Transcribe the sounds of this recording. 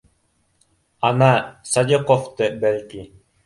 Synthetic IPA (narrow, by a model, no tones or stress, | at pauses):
anasad̪ʲiqɔft̪ɤbɛlʲki